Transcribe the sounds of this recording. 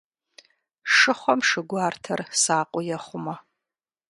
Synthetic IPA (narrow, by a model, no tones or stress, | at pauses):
ʂɨχʷɔmʂɨɡʷɑːrtʰɐrsaːqʷʼʊjɛχʷʊmɐ